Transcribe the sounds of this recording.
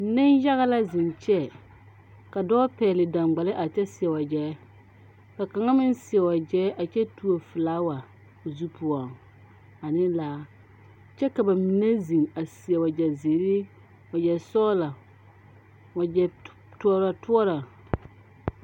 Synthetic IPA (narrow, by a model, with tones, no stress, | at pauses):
nɪ˦nja˦ɣa˦la˦zɪ˨nt͡ʃɛ˦ | ka˨dɔː˦pɛː˨lɪ˨dã˨ŋɡ͡ba˨lɪ˦ʔa˨t͡ʃɛ˦sɪ˨ɛ˨wa˨d͡ʒɛː˨˦ | ka˨ka˨ŋa˦mɪ˦nsɪ˨ɛ˨wa˨d͡ʒɛː˦ʔa˨t͡ʃɛ˦tu˦o˨fɪ˨laː˦wa˨ | zu˦pʰu˨ɔ˨ŋ | a˨nɪ˦laː˦ | t͡ʃɛ˦ka˨ba˨mi˨ne˦zi˨ŋa˨sɪ˨ɛ˨wa˨d͡ʒɛ˨ze˨ɾɪ˦ | wa˨d͡ʒɛ˨sɔː˦la˨ | wa˨d͡ʒɛ˨ | tu˦ɔ˦ɾa˨tʊ˦ɔ˦ɾa˨